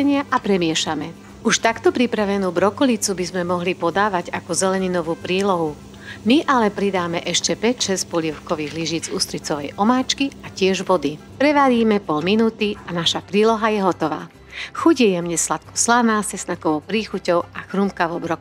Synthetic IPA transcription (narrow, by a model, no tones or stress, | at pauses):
ɛɲɪaʔapɾɛmɪɛʃamɛ | uʃt̪akt̪ɔpɾipɾaʋɛnuːbɾɔkɔlit͡subizmɛmɔɦlipɔd̪aːʋaɟakɔzɛlɛɲinɔʋuːpɾiːlɔɦu | miʔalɛpɾid̪aːmɛʔɛʃcɛpɛcʃɛscpɔʎiɛʊkɔʋiːɣliʒiːd͡zust̪ɾit͡sɔʋɛjʔɔmaːt͡ʃkiacɪɛʒʋɔd̪i | pɾɛʋaɾiːmɛpɔlminuːt̪ianaʃapɾiːlɔɦajɛɦɔt̪ɔʋa̰ː | xuɟjɛjɛmɲɛslat̪̚kɔ̥slanaːsɛsnakɔʋɔʊpɾiːxucɔʊaxɾumkaʋɔbɾɔk